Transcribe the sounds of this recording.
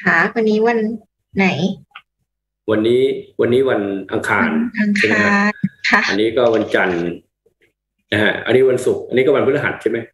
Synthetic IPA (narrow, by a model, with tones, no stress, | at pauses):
kʰa˦˥wa˧nːiː˦˥wa˧nː | a˩˦j | wa˧nːiː˦˥wa˧nːiː˦˥wa˧nʔa̰˧ŋkʰaː˧nʔa˧ŋkʰːmaa˦aː˦˥˧kʰa˥˩ʔa˧nːiː˦˥kɔː˥˩wa˧nt͡ɕa˧n | na˦kʰa˦˥ʔa̰˧nːiː˦˥˩wa˧nsu˨˩k̚ʔa˧nːi˦˥kɔ˥˩wa˧npʰɯː˥˩a˧ɦa̰˨˩t̪̚t͡ɕʰa˥˩ma˦˥